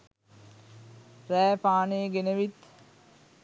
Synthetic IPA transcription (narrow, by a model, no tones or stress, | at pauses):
ɾæːpaːneːɡenəʋit̪